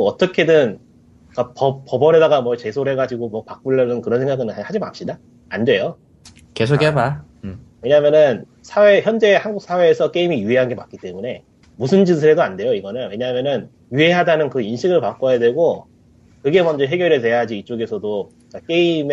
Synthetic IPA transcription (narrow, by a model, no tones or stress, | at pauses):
ʌt͈ʌkʰe̞dɯn | k͈apʌpʌbʌne̞daɡamwʌt͡ɕe̞sʰoɾɦe̞ɡad͡ʑiɡomwʌpak̚p͈uɭːʌnɯnkɯɾʌnsʰe̞ŋɡaɡɯnhad͡ʑima̰p̚ɕ͈ida | andwe̞jo | kes̬ʰokeba | weɲamjʌnɯn | sʰawe̞çjʌnd͡ʑe̞haŋɡuk̚s͈ʰawe̞ːsʰʌk͈e̞imijuɦeɦanɡe̞mak͈it͈e̞mune̞ | musʰɯnd͡ʑisʰɯɾe̞doande̞joiɡʌnɯnwe̞ɲamjʌnɯn | jueɦadanɯnkɯinɕʰiɡɯɭpak͈ojadwe̞ɡo | kɯɡe̞mʌnd͡ʑʌɦe̞ɡjʌɾete̞jaad͡ʑiːt͡ɕ͈oɡe̞sʰʌdo | k͈ak͈e̞im